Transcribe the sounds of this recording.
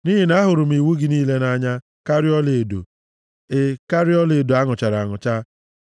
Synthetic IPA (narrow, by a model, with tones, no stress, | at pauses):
ni˦ɦi˨na˦ɦʊ˨ɾʊ˨m̩˦i˨wu˦ɡɪ˨niː˦le˦na˦ɲa˦ | ka˦ɾi˦ɔ˦le˨do̰˨ | e˦ka˦ɾi˦ɔ˦le˨do˨a˦ŋʊ˨t͡ʃa˨ɾa˨ŋʊ˨t͡ʃa˦